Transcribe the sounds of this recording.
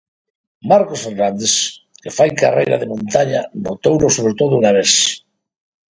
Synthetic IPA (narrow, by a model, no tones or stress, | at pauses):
maɾkosfeɾnand̪eskefajka̰rḛjɾa̰ðemõnt̪aɲano̰t̪ownosoβ̞ɾet̪oðounaβes